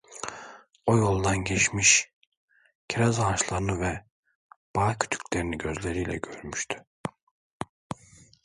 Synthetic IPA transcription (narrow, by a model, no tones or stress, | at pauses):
ojo̞lˠd̪anɟet͡ʃmiʃ | cʰiɾazanʃlˠaɾɯnɯvɛ | b̥aːcʰy̥t̪ʰy̥cʰʲlʲeɾiniɟø̞zlʲe̞ɾijlʲɛ̰ɟø̞ɾmyʃt̪ʰy̥